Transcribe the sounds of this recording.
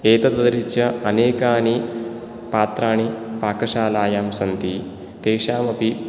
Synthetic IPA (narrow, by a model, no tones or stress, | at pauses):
eːt̪ɐt̪ɐd̪ɐɾit͡ʃɐɐneːkaːni | paːt̪ɾaːɳ̃ipaːkɐʃaːlaːjaːmsɐnt̪i | t̪eːʃaːmɐpi